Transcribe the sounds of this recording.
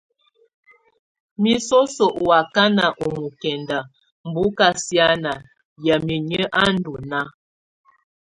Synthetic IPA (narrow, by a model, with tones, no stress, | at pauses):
mi˦so˦so˨ʔwa˨ka˦na˨ʔo˨mu˨kɛ˨nda˨ | m̩˨bu˨˦ka˦sja˦na˨ | ja˨mi˨ɲə˦ʔa˦n̩˦du˨na˦